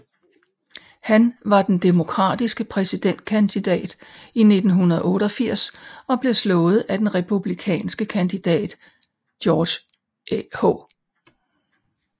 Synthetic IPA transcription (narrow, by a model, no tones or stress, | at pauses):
hænʋɑ̈d̥end̥e̝mo̝kʰʁɑ̰̈ːd̥isɡ̥əpʰʁɛsid̥en̰d̥̚kʰænd̥id̥ɛ̰ːd̥ine̝d̥n̩ɦunɐð̞ˠɔ̽ːɾ̥ɒ̽fiɐ̰sɒ̽b̥le̝slɔ̽ːð̩ˠæd̥enʁɛpʰub̥likʰɛ̰ːnsɡ̥əkʰænd̥id̥ɛ̰ːd̥ | d̥jɒ̥ː | ho̰ː